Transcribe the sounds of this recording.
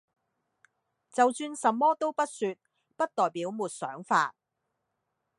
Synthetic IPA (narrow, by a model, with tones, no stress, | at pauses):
t͡sɐ˨wsyː˧nsɐ˨mːɔː˥t̪o˥wpɐ˥t̚sy˧t̚ | pɐ˥t̚t̪ɔː˨jpiː˨˥wmuː˨˩t̚sœː˨˥ŋfa̰ː˧t̚